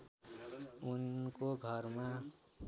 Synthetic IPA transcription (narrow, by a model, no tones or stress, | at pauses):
unkoɡʱʌɾma